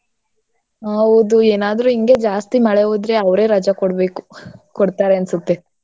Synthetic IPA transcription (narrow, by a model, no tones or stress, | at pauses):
ɐʋud̪ueːnaːd̪ɾuiŋɡe̞d͡ʒaːst̪imɐɭeʋud̪ɾe̞ɐʋɾe̞ːɾɐd͡ʒakoɽbe̞ːku̥kɔɽt̪aːɾeɐnsɐt̪ːe